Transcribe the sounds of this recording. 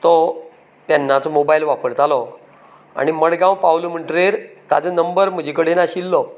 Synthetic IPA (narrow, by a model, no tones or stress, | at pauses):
t̪ɔ | t̪janːat͡sɔmobailʋapəɾt̪alɔ | a̰ɽ̃iməɽɡãwpawlum̤əɳʈɾeɾt̪a̰t͡sənəmbəɾm̤əd͡ʑʱikəɽenaɕilːɔ